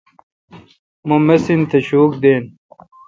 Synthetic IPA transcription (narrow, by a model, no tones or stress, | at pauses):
mumɐsint̪ʰɐɕuːk̚d̪eːn